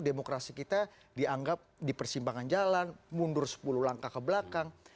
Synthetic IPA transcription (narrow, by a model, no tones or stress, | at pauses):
demokɾasikit̪a | diaŋɡap̚dipərsimpaŋand͡ʒalanmundʊrsə̥puluhlaŋkakəblakaŋ